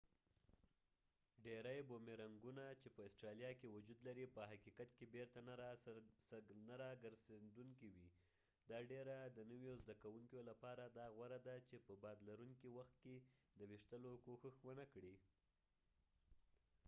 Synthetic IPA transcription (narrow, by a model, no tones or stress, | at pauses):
ɖeɾajbomeɾaŋɡunat͡ʃepəɪsʈɾɑlijɑkewʊd͡ʒud̪laɾipəɦakikat̪kebeɾt̪ana | naɾɑɡəɾzed̪uŋkiwi | d̪ɑɖeɾad̪ənəwjozd̪akawuŋkjolapɑɾad̪ɑɣwaɾad̪at͡ʃepəbɑd̪laɾuŋkiwaxt̪̚ked̪əwɪʂt̪əlokoxəxwənakɽi